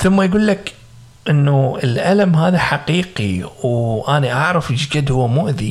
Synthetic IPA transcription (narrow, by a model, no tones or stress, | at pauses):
θʊmːajɡuːlːak | ʔɪnːuɪlʔalamɦaːðaħaqiːqiwʔaniʔaʕɾˤɑfd͡ʒɡad̪hʊwːamʊʔði